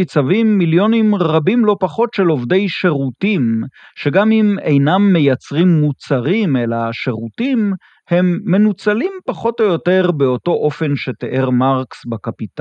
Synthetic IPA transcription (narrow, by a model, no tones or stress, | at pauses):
it͡savimːiljo̞nimʁabimlo̞paχo̞tʃelo̞vde̞jʃe̞ʁutimʃe̞ɡamimejnamːe̞jat͡sʁimːut͡saʁime̞laʃe̞ʁutim | he̞mːe̞nut͡salimpaχo̞t̪o̞jo̞te̞ʁbe̞o̞to̞ʔo̞fe̞nʃe̞teʔeʁmaʁksbakapita